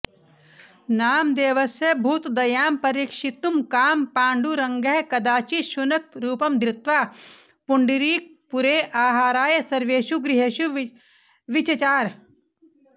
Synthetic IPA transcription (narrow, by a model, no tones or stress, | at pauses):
naːmd̪eːʋɐsjɐbʱuːt̪d̪ɐjaːmpɐɾiːkʃit̪umkaːmpãːɳɖuɾɐ̃ŋɡɐɦkɐd̪aːt͡ʃiʃunɐk̚ɾuːpɐmd̪ɾɪt̪ʋaː | pʊɳɖiɾiːk̚puɾeːʔaːɦaːɾaːjəsɐɾʋeːʃuɡɾɪɦeʃu | ʋɪt͡ʃɐt͡ʃaːɾ